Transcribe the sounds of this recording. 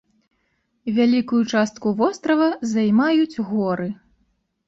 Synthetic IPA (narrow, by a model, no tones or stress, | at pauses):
vʲalʲikujut͡ʂast̪kuvɔst̪ɾɐvɐzɐjmajut͡sʲɣɔɾɨ